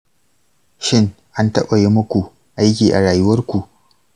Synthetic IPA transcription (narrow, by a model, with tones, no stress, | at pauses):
ʃɪ˦ŋ | ʔa˦ntɐ˦ɓɐ˨je˦mʊ˦kʷu˨ | ʔa˦jkʲiː˨ʔa˨ɽaː˨jʊ˦wɐ˦rkʷu˨ʔ